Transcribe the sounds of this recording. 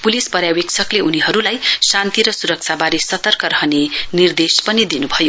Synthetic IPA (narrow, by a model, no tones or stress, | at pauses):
pulispʌɾjawek̚t͡sʰʌkleuniɦʌɾulajsant̪iɾʌsuɾʌk̚t͡sʰabaɾesʌt̪ʌrkʌɾʌɦʌnenird̪espʌnid̪inubʱʌjo